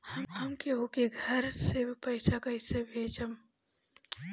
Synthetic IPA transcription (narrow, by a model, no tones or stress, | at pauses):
hɐmɦɐmkeɦokeɡʱəɾsepɐɪsakɐɪsebʱeːd͡ʒəm